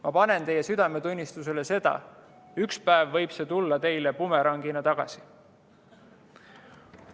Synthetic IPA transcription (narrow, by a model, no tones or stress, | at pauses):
mɑpɑne̞nt̪e̞jːe̞syd̪̥ɑme̞t̪unʲːist̪use̞le̞se̞d̪̥ɑ̰ | ykspæevːɤjb̥se̞ːt̪ulːɑt̪e̞jle̞pume̞ɾɑŋɡinɑt̪ɑɡ̥ɑ̰si̥